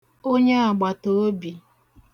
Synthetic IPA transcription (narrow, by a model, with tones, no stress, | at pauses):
o˦ɲe˦a˨ɡ͡ba˨to˨˦o˦bi˨